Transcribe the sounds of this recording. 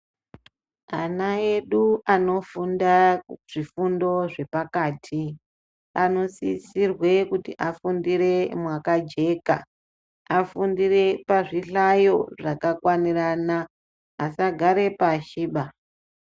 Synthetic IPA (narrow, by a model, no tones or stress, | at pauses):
anae̞ɗuano̞fundaʐifundo̞ʐe̞pakaːtʰi | ano̞sḭsirwe̞kutiʔafundire̞mwakad͡ʒe̞ka̰ | afundire̞paʐiɬajo̞ʐakakwaniranaː | saɡʱaɾe̞paʃiːɓa